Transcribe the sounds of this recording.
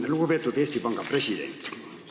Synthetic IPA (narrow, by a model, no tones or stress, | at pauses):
nelukopet̪ːot̪est̪ipɑŋɡɑpresid̪ḛnt̪ː